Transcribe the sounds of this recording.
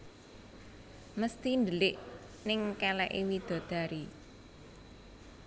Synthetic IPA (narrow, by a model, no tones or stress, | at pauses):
məst̪ind̪əlɪʔ | nɪŋkɛlɛʔiwid̪̥o̤d̪̥a̤ɾi